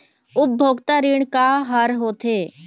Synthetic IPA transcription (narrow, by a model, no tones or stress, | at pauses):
ʊb̚bʱoːɡt̪aɾiːɽkaɦəɾɦoːt̪ʰeː